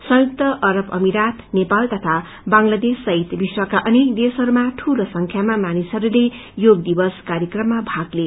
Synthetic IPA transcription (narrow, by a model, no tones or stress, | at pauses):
sʌ̃juk̚t̪ʌʔʌɾʌpʌmiɾat̪nepalt̪ʌt̪ʰa | baŋlad̪esːʌɦit̪biswakaʔʌnekd̪esʌɾumaʈʰulosʌŋkʰjamamanisʌɾule | joɡd̪ibʌskaɾjʌkrʌmːabʱaɡle